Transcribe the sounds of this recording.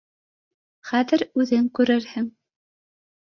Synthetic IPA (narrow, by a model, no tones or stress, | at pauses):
χæðɘ̆ɾʉðɘŋkʉɾɘɾhɘŋ